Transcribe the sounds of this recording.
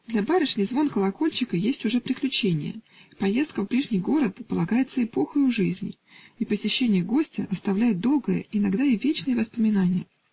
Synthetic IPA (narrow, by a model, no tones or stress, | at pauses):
d̪lʲabaɾʲɪʂnʲɨjzvo̞nkəlˠɐko̞lʲt͡ɕɪkəjesʲtʲʊʐɛpɾʲɪklʲʉt͡ɕenʲɪ̰jə̰ | pɐje̞st̪kəvbɾʲiʐnʲijɡo̞ɾət̪̚pəlˠɐɡajɪt̪səɪpo̞xəjʊʐɨzʲnʲɪ̰ | ipəsʲɪɕːenʲɪjəɡo̞sʲtʲɪʔɐst̪ɐvlʲæjɪt̪̚d̪o̞lˠɡəjə̰ɪnɐɡd̪aivʲet͡ɕnɨjəvəspəmʲɪnanʲɪjə